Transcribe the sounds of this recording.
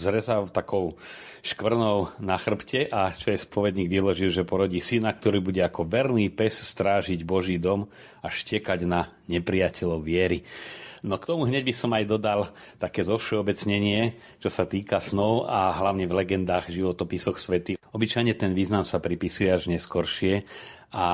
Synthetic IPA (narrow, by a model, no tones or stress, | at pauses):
zɾɛzaft̪akɔʊ | ʃkʋr̩nɔʊnaxr̩pcɛʔat͡ʃɔɛspɔʋɛd̪ɲiːɡʋilɔʒilʒɛpɔɾɔɟiːsinakt̪ɔɾiːbuɟɛakɔʋɛɾniːpɛsst̪ɾaːʒiɟbɔʒiːd̪ɔm | aʃcɪɛkaɟna | ɲɛpɾijacʰɛʎɔʊʋɪɛɾinɔkt̪ɔmuɦɲɛɟbisɔmajd̪ɔd̪alt̪akɛːzɔʊʃɛɔbɛt͡sɲɛɲɪɛ | t͡ʃɔsat̪iːkasnɔʊaɦlaʊɲɛvlɛɡɛnd̪aːɣʒiʋɔt̪ɔpisɔxsʋɛt̪iɔbit͡ʃajɲɛt̪ɛnʋiːznamsapɾipisujɛaʒɲɛskɔɾʃɪɛ | a